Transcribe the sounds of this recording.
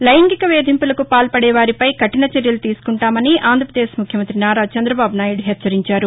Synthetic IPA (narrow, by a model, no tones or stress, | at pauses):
lɐjɐŋɡikɐʋeːd̪ʱimpulɐkupaːlpɐɽɛːʋaːɾipɐjkɐʈinɐt͡ʃeɾjɐlut̪iːsu̥kuɳʈaːmɐniaːnd̪ɾɐpɾɐd̪eːʃmukʰjɐmɐnt̪ɾinaːɾaːt͡ʃɐnd̪ɾɐbaːbunaːjuɽɦɛt͡ʃːsɐɾiɲt͡ʃaːɾu